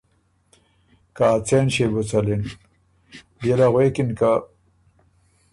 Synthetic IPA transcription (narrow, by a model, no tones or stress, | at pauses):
kaːt͡senɕebut͡sɐlin | belaɣwekinka